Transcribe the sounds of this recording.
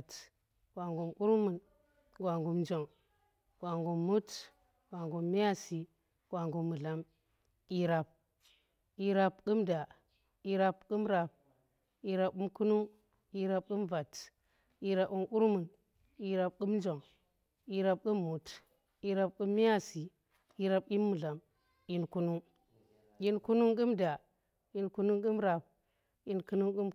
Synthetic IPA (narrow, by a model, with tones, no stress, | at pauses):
t | ɡwa˨ŋɡu˨mku˦ɾmu˨n | ɡwa˨ŋɡu˨mnd͡ʒo˨ŋ | ɡ̥wa˨ŋɡu˨mːu˦t | ɡwa˨ŋɡu˨mːi˦ja˦˨si˨ | ɡ̥wa˨ŋɡu˨mːu˨la˦m | i˨ɾa˨p̚ | i˨ɾa˨pku˦mda˨ | i˨ɾa˨pku˦mɾa˨p̚ | i˨ɾa˨p̚u˦mku˦nu˦ | i˦ɾa˨p̚ku˦mva˨t | i˨ɾa˨pu˦mku˦ɾmu˨n | i˦ɾa˨p̚ku˦mnd͡ʒo˨ŋ | i˨ɾa˨p̚ku˦mːu˨t | i˨˦ɾa˨p̚ku˦mːi˦ja˦˨si˨ | i˦ɾa˨p̚i˦mːu˨ɮa˨m | i˨˦nku˦nu˦ŋ | i˦nku˦nu˦ŋku˦mda˨ | i˨˦nku˦nu˦ŋku˦mɾa˨p̚ | i˦nku˦nu˦ŋku˦m